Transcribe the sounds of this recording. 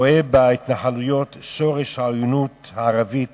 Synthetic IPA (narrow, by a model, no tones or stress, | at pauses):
ʔebait̪naħalujot̪ʃoʁeʃhaojunuthaːʁavit